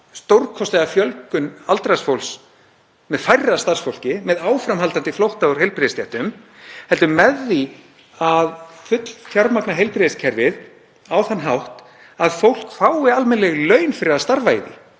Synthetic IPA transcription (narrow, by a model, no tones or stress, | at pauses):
st̪owɾkʰɔst̪lɛɣafjœlkʏnalt̪ɾasfowls | mɛðfajrːast̪arsfowl̥cɪmɛðaːwfɾamɦalt̪ant̪ɪflowht̪aʏɾ̥hejlpɾɛðɪst̪jaht̪ʏm | hɛlt̪ʏmɛðːi | aðfʏt̪l̥t̪ʰjawɾmaknaɦejlpɾɛðɪscʰɛɾvɪð | awθanɦawht̪ | aðfowl̥kfaːwɪalmɛnlɛɣlœɥnfɪɾɪaðst̪aɾvaɪðɪ̰